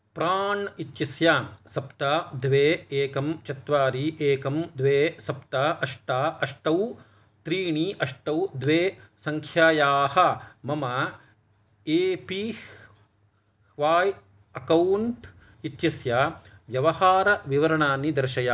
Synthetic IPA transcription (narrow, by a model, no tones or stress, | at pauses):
pɾaːɳit̪jɐsjaːsɐpt̪aːd̪ʋeːeːkɐmt͡ʃɐt̪ʋaːɾiʔeːkɐmd̪ʋeːsɐpt̪aːʔɐʂʈaːʔɐʂʈɐw | t̪ɾiːɳiːʔɐʂʈɐwd̪ʋeːsɐŋkʰjaːjaːhɐ̆mɐmɐ | eːpi | ʋaːj | ɐkɐwɳʈ | it̪jɐsjaːʋjɐʋɐhaːɾɐʋiʋɐɾɐɳaːnːid̪ɐɾʃɐjaː